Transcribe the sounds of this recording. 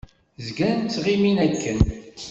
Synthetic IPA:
zɡænt͡sːʁiminækːən

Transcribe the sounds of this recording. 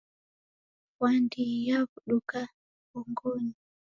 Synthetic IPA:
wandijaβuɗuka | βuŋɡɔni

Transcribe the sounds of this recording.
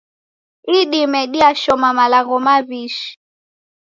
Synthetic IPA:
iɗimɛɗiaʃɔmamalaɣɔmaβiʃi̥

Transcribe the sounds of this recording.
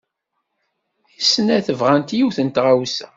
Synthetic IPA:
isənæθəvʁænt̪juθənt̪ʁawsæ

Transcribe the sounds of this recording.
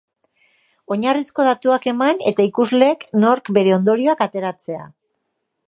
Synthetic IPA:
o̞ɲarisko̞ðat̪uake̞mane̞t̪aikuzle̞ːkno̞ɾkbe̞ɾe̞o̞nd̪o̞ɾio̞akat̪e̞ɾat͡se̞a̰

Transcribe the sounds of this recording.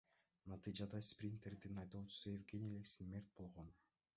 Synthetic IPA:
nɑt̪ɨd͡ʒɑd̪ɑsprʲint̪erd̪inɑjt̪oːt͡ʃʰu̥suevɡʲenʲieleksinmʲert̪̚bo̞lˠʁon

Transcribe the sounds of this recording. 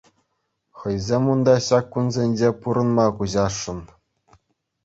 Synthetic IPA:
χɤ̆jzʲemund̪ɑɕɑkːunzʲenʲd͡ʑepuɾɤ̆nmɑkuʑɑʂːɤ̆n

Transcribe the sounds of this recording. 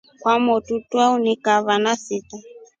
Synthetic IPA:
kwamɔtutwaunikaβanasita

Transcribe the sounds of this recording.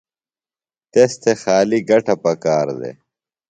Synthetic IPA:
t̪est̪ʰexaːliɡɐʈɐpɐkaːɾd̪ḛ

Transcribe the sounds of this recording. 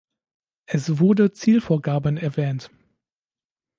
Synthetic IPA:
ʔɛsv̥ʊɐdət͡siːlfoːɐɡaːbənɛɐvɛːnt

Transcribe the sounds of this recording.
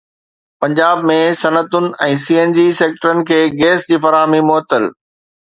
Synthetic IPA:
pɐ̃ɲd͡ʑaːbmẽsɐnət̪ʊnɪ̆ɛ̃ːsiːeːnd͡ʑiseːk̚ʈəɾənɪ̆kʰeːɡeːsd͡ʑiːfɐɾaːɦmimoːt̪əl

